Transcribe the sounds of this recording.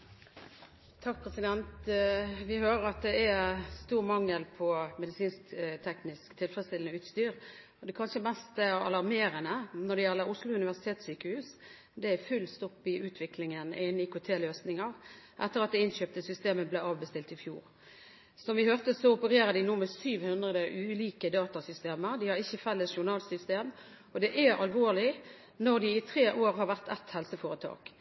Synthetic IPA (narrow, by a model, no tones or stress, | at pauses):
t̪ʰɑk̚pʰʁɛsɪd̪ɛnt̪ʋɪhøːɾəɾɑt̪̚d̪ɛæst̪uːʁmɑŋːəlpʰɔmɛd̪ɪsiːnst̪ʰɛknɪskt̪ʰɪlfʁəst̪ɪlnəʉːt̪st̪yːʁ | ɔd̪ɛkʰɑnʃəmɛst̪ɛɑlɑʁmeːɾənənɔd̪ɛjɛlːəɾʊslʊʉnɪʋæʁsɪt̪eːt̪syːkəhʉːs | d̪ɛæfʉlst̪ɔpːɪʔʉːt̪ʰʋɪklɪŋənʔɪnːɪkʊt̪ʰeːløːsnɪŋɑʁʔɛt̪ːəɾɑt̪d̪ɛɪnɕøːp̚t̪əsʏst̪eːməblɛɑːʋbəst̪ɪlt̪ɪfjṵːʁ | sɔmʋɪhøːʁt̪əsɔʊpəɾeːɾəd̪ɪnuːmɛsyːʋhʉnd̪ʁəd̪əʔʉːliːkəd̪ɑːt̪ɑsʏst̪eːməd̪ɪhɑɾʁɪçːəfɛlːəsʃʊɾnɑːlsʏst̪eːm | ɔd̪ɛʔæɾɑlʋoːlɪ | nɔʁd̪ɪɪt̪ʰʁeːʔoːɾhɑɾʋæʁt̪ʰɛt̪hɛlsəfoːɾət̪ʰɑ̰ːk